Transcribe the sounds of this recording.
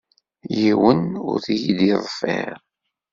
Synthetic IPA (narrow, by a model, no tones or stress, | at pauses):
jiwənʊ̰ɾθijid̪iðˤfɛ̰ɾ